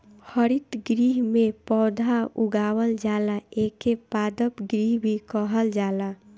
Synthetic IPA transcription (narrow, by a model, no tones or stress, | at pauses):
hʰəɾit̪ɡɾiːɦmẽpɔːd̪ʱauɡaːwəld͡ʒaːlaekepaːd̪əpɡɾiɦbʱikəɦəld͡ʒaːla